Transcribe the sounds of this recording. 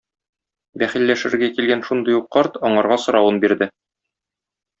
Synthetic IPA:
bæχilːæʃɘ̆ɾɡækilɡænʃund̪ɤjuqːɒɾt̪ɒɴɑɾʁɑsŏɾɑwɤnbiɾd̪ɘ

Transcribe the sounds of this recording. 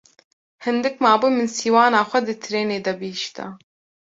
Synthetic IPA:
hɨnd̪ɨk̚maːbuːmɨnsiːwaːnaːxʷɛd̪ɨt̪ʰɨɾeːneːd̪ɐbɨʃt̪ɐ̰

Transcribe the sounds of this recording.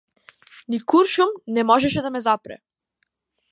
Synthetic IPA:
nikuɾʃumnɛmɔʒɛʃɛd̪amɛzapɾɛ̰

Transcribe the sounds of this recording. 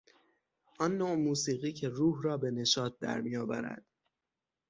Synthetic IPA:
ʔɒnːoːʔmuːsiːɣiːcʰe̞ruːhɾɒːbe̞ne̞ʃɒːt̪̚d̪æ̰ɾmijɒːbæ̰ɾæ̰d̪̥

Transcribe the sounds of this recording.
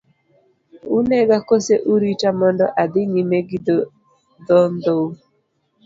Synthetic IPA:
unɛɡakoseʔuɾitamɔndɔʔad̪ɪɲimeɡid | d̪ɔnd̪ou

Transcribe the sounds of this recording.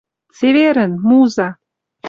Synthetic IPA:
t͡seveɾənmuza

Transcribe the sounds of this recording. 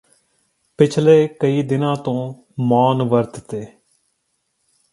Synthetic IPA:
pɪt͡ʃʰleːkəiːd̪ɪnãːt̪õː | maːnʋəɾt̪t̪eː

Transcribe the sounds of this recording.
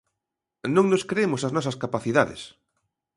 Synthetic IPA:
nõŋnoskɾeemosaznɔs̬ɐskapaθiðaðɪ̰s

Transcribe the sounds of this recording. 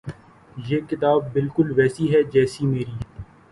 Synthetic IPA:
jeːkɪt̪aːb̚ːɪlkʊlʋɛːsiɦɛd͡ʒɛːsimeːɾiː

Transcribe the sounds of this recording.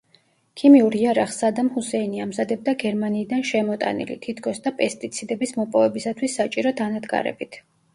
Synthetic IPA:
kʰimiuɾiaɾaχsad̪amhusɛiniamzad̪ɛb̚d̪aɡɛɾmaniːd̪anʃɛmɔt̪ʼa̰nḭlḭt̪ʰit̪ʰkʰɔsd̪apʼɛst̪ʼit̪sʰid̪ɛbismɔpʼɔvɛbisat̪ʰwisːat͡ʃʼiɾɔd̪anad̪ɡa̰ɾɛ̰bit̪ʰ

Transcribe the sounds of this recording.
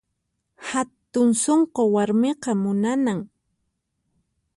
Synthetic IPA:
hat̪ʊŋsoɴqowaɾmeqɑmʊnanaŋ

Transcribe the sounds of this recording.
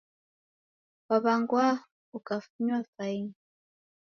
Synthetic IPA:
waβaŋɡwa | ukafuɲwafain

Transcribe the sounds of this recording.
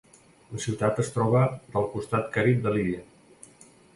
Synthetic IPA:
ləsiwt̪at̪əst̪ɾɔβəðəlˠkust̪at̪kaɾip̪̚d̪əliðiə

